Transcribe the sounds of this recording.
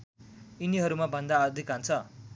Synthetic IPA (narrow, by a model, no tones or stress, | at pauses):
iniɦʌɾumabʱʌnd̪aʌd̪ʱikant͡sʰʌ